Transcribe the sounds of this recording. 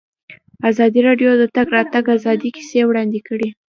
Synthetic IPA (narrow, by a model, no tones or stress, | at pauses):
azɑd̪iɾɑɖjod̪ət̪aɡɾɑt̪aɡazɑd̪iki̥sewɽɑnd̪ɪkəɽi